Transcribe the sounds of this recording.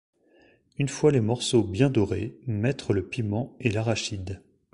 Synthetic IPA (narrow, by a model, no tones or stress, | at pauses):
ynfwalemɔʁsobjɛ̃d̪ɔʁemɛt̪χələpimɑ̃elaʁaʃid̪